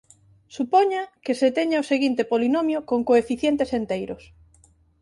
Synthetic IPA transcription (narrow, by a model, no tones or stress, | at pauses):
supoɲakeset̪eɲaoseɣint̪epolinomjokoŋkoefiθjent̪esent̪ejɾʊs